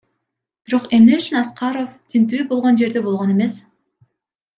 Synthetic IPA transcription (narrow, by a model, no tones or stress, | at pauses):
biɾo̞qe̞mneyt͡ʃynɑsqɑɾo̞ft̪ʰint̪̬yːbo̞lˠʁo̞nd͡ʒe̞ɾd̪ebo̞lˠʁo̞ne̞me̞s